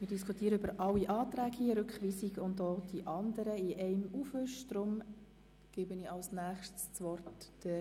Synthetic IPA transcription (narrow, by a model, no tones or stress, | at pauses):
mɪːɾd̥iskʰutiːəɾəʏbəɾʔɑlːiʔɑːt̪ɾæːɡiəɾʏkχʋiːsiɡʊndoːd̥iʔɑnd̪əɾəɪʔɛɪmufʏʃd̥ɾʊm | ɡ̥ɪbənɪɑlsnæːχʃtst͡sʋɔrtː | ə